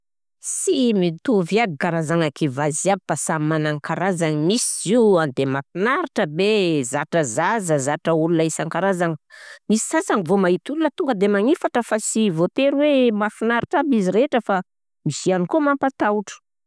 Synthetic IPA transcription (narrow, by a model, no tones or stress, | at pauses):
simit̪uvjiad̪ikaɾazaŋakivaziabpasammanaŋkaɾazanimisiziand̪emafinaɾiʈ͡ʂəbezaʈ͡ʂəzazəzaʈ͡ʂəulunaisaŋkaɾazaŋimisi̥sasaŋivomait̪ulunət̪uŋɡəd̪emaŋifaʈ͡ʂəfasivot̪eɾwemafinaɾiʈ͡ʂabiziɾeʈ͡ʂəfa | misianikomampat̪awʈ͡ʂə̥